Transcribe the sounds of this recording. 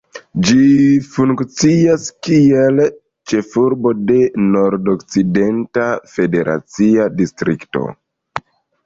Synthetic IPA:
d͡ʒifuŋkt͡siaskiel | t͡ʃe̞fuɾbo̞de̞no̞ɾdokt͡side̞ntafe̞de̞ɾʔa̰t͡siadistɾʔikto̞̰

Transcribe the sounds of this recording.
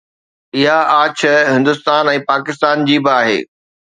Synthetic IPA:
ɪɦaaːt͡ɕʰəɦɪ̃nd̪ʊst̪aːnɛ̃ːpaːkɪst̪aːnd͡ʑiːbɪaːɦḛː

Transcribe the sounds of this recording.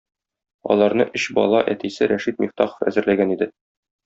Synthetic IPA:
ɒ̰lˠɑɾnɤʔɵɕbɒ̰lˠɑʔæt̪isɘɾæʃit̪̚mʲiχt̪ɑχo̥ə̥fæ̰zɘ̆ɾlæɡænid̪ɘ

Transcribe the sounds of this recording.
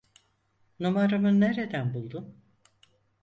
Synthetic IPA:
numaɾɯmɯnːeɾed̪ænbulˠd̪um

